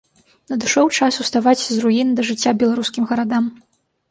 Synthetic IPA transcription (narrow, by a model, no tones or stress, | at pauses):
nɐd̪ɨʂɔwt͡ʂasust̪avat͡sʲzruind̪ɐʐɨt͡sʲːabʲɛlˠaɾuskʲimɣɐɾad̪am